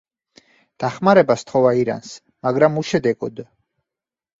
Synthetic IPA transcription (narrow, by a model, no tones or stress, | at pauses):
d̪̥aχmaɾɛbast̪ʰχɔvaiɾa̰ns | maɡɾamuʃɛd̪ɛɡɔd̪